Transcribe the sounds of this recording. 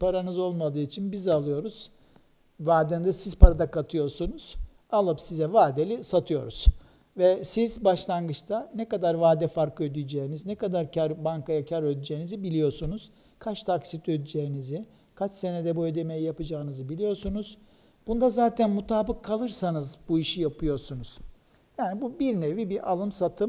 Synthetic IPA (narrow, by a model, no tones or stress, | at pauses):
pʰaɾanɯzo̞lˠmad̪ɯːit͡ʃʰinbizalˠɯjo̞ɾuz̥ | vaːd̪ɛnd̪ɛsiz̥pʰaɾad̪akat̪ʰɯjo̞ɾsunuz̥ | alˠɯpsizɛvaːd̪elʲisat̪ʰɯjo̞̰ɾuz̥ | vɛsizbaʃlˠanɡɯt͡ʃt̪ʰanɛkad̪aɾvaːd̪ɛfaɾkɯød̪yjd͡ʒejiniznɛkad̪aɾcʰaɾbaŋkajacʰaɾød̪yd͡ʒeːnizibilʲijo̞ɾsunuz̥ | kʰat͡ʃt̪ʰaksit̪ʰød̪yd͡ʒe̞jinizi | kʰat͡ʃse̞nɛd̪ɛbuød̪e̞me̞jijapɯd͡ʒaːɯnɯzɯbilʲijo̞ɾsunuz̥ | b̥und̪azaːt̪ʰænmut̪ʰaːbɯkʰːalˠɯɾsanɯzbuiʃijapʰɯjo̞ɾsunuz̥ | jaːnibubiɾnevibiɾʔalˠɯmsat̪ʰɯm